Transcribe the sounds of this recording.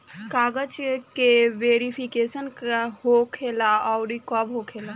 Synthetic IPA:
kaɡəd͡ʒkeʋeɾipʰikesənkhokʰelaɔwɾikɔbɦokʰela

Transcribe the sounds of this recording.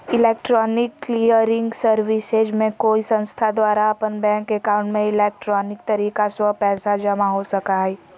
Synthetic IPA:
ɪlɛːk̚ʈɾɔːnɪkːliːəɾɪ̃ŋɡsəɾʋɪsed͡ʒmẽkoːisə̃nst̪ʰad̪ʋaːɾaɐpənbɛ̃ːŋkekaʊ̃ɳʈmẽɪleːk̚ʈɾɔːnɪk̚t̪ɐɾiːkaswəpɛːsad͡ʒɐmaɦosɐkaɦɛː

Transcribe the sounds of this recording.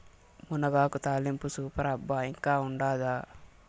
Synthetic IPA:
munɐɡaːkut̪aːlimpusuːpɐɾɐbːaiŋkaːuɳɖaːd̪aː

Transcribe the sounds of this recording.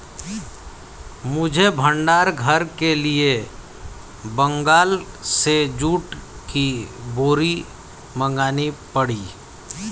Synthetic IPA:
mʊd͡ʒʱebʱə̃ɳɖaːɾɡʱəɾkelie | bə̃ŋɡaːl | sed͡ʒuːʈ | kiboːɾi | mə̃ŋɡaːnipəɽiː

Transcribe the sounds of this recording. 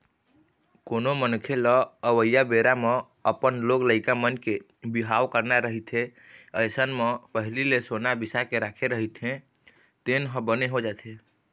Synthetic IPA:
konomənkʰelɔəʋəjabeɾame | əpənloɡləɪkamənke | biɦawkəɾnaɾəɦit̪ʰe | əjsənmepəɦililesonabisakeɾakʰeɾəɦit̪ʰɦẽ | t̪enɦə̃bəneɦod͡ʒat̪ʰe

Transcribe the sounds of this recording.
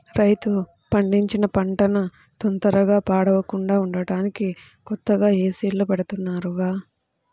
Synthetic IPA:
ɾɐjt̪u | pɐɳɖiɲt͡ʃinɐpɐɳʈɐnɐ | t̪ɔnt̪ɐɾɐɡaːpaːɽɐʋɐkuɳɖaːuɳɖɐɽaːniki | kɔt̪ːɐɡaːeːsiːlloːpɐɽɐt̪unːaːɾuɡaː

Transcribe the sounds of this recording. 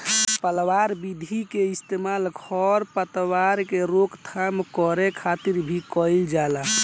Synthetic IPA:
pəlwaɾbid̪ʱikeist̪emalɡʱɔɾpət̪waɾkeɾokt̪ʰamkɔɾekʰat̪iɾbʱikɔɪld͡ʒala

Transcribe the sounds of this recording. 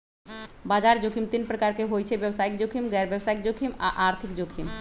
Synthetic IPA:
baːd͡ʒaːɾd͡ʒoːkʰimt̪inpɾəkaːɾkeɦoːjt͡ʃʰeʋjəwsaːɪk̚d͡ʒoːkʰimɡɛːɾʋjəwsaːɪk̚d͡ʒokʰima̰ʔaːɾt̪ʰɪkd͡ʒoːkʰim

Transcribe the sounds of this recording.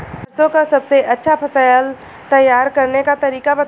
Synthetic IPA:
sɐsõkasɐbseʔɐtːʃʰapʰɐsaːjəl | t̪ɐjːaːɾkɐɾnekat̪ɐɾiːkabɐt̪

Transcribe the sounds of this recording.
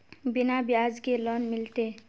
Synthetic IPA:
bɪnabjaːzkeloːnmɪlt̪eː

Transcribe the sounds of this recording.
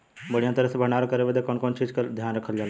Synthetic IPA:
bəɽijãt̪əɾəsebʱəɳ̃aːɾkəɾebed̪ekɔːnkɔːnt͡ʃiːd͡ʒkad̪ʱjaːnɾəkʰəld͡ʒaːl

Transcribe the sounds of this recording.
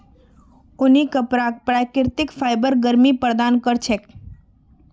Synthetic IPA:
ʊnikəpɾak̚pɾakɪɾt̪ɪkfʰajbəɾɡəɾmipəɾd̪ankəɾt͡ʃʰek

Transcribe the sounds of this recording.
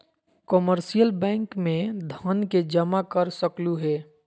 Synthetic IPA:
kəməɾsijəlbɛ̃ːŋkmẽd̪ʱaːnked͡ʒəmakəɾsəkluɦɛː

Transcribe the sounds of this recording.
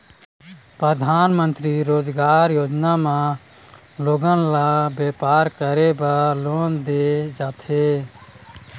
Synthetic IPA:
pɾəd̪ʱaːnmə̃nt̪ɾiɾoːd͡ʒɡaːɾjoːd͡ʒnamã | loːɡənlabjeːpaːɾkəɾebəloːnd̪ed͡ʒaːt̪ʰe

